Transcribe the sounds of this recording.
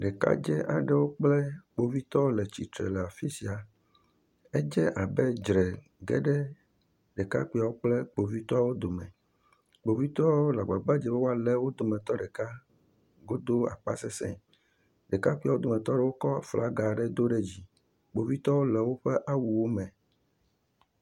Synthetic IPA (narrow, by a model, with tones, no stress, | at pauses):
ɖɛ˨ka̰˦d͡ʒɛ˦ʔa̰˨ɖɛ˦wo˦k͡plɛ˦k͡po˨vi˦t̪ɔ˦wlɛ˨t͡ɕḭ˨t̪ɾɛ̰˨lɛ˨a˨fi˦si˨a˨ | ɛ˦d͡ʒɛ˦ʔa˨bɛ˦d͡ʒɾɛ˨ | ɡɛ˦ɖɛ˦ | ɖɛ˨ka̰˦kui˦˨a˨wo˦k͡plɛ˦k͡po˨vi˦t̪ɔ˦a˦wo˦d̪o˨mɛ̰̃˨ | k͡po˨vi˦t̪ɔ˦a˦wwo˦la˨ɡ͡ba˨ba˦d͡ʒɛ˨bɛ˦wo˦a˦˨lɛ˦wo˦d̪o˨mɛ̃˨t̪ɔ˦ɖɛ˨ka˦ | ɡo˦d̪o˦a̰˨k͡pa̰˦sɛ˦sɛ̰̃˦˨ | ɖɛ˨ka˦ku˦a˨wo˦d̪o˨mɛ̃˨t̪ɔ˦ɖɛ˦wo˦kɔ˦˨fla˦ɡa˨ɖɛ˦d̪o˦ɖɛ˦d͡ʑi˦ | k͡po˨vi˦t̪ɔ˦wo˦lɛ˨wo˦ɸɛ˦ʔa˦wu˨wo˦mɛ̃˨